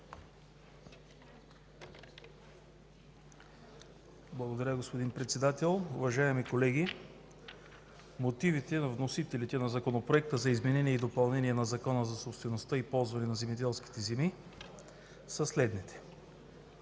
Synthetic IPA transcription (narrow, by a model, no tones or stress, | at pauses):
blˠɐɡod̪ɐɾʲaɡospod̪inpɾɛt̪sɛd̪at̪ɛlˠʊvɐʒaɛmikolɛɡʲi | mot̪ivit̪ɛnɐvnosit̪ɛlit̪ɛnɐzɐkonopɾoɛk̚t̪əzɐizmɛnɛniɛid̪opɐlˠnɛniɛnɐzɐkɔnəzɐsopst̪vɛnost̪aipɔlˠzvɐnɛnɐzɛmɛd̪ɛlˠski̥t̪ɛzɛmi | sɐslɛd̪nit̪ɛ̥